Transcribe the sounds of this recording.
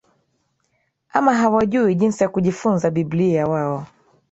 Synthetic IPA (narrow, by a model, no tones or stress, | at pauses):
amaɦawaʄuiʄinsijakuʄifunzaɓibliawaɔ